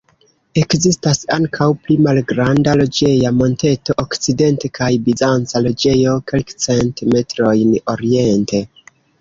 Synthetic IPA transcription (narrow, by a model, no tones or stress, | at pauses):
e̞kzistasaŋkʰawplimalɡɾandalo̞d͡ʒe̞jamo̞nte̞to̞ʔokt͡side̞nte̞kʰajbizant͡salo̞d͡ʒe̞jo̞ke̞lkt͡se̞ntime̞tɾo̞jno̞ɾie̞nte̞